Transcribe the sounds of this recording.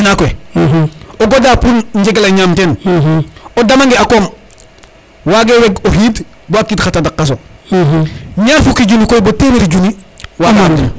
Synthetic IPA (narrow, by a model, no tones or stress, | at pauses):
nakoe | oɡodaːpunɲɟeɡelaɲaːmteːn | odamaŋɡeakoːm | waːɡeweɡohiːd | boakːitxatadakːas̬o | ɲaːfukiɟunikojbotemiɾiɟuniwaɡae